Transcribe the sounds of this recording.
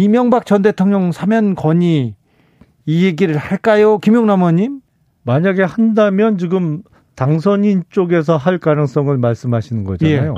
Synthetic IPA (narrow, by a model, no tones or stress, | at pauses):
imjʌŋbak̚t͡ɕʌnde̞tʰoŋɲʌŋsʰamjʌnkʌɲi | jeɡiɾɯɭhaɭk͈ajokimjoŋnamwʌɲim | maɲaɡe̞handamjʌnt͡ɕiɡɯm | taŋsʰʌɲint͡ɕ͈oɡe̞s̬ʰʌɦaɭkanɯŋs͈ʌŋɯɭmaɭs͈ɯmɦaɕʰinɯnɡʌd͡ʑaajo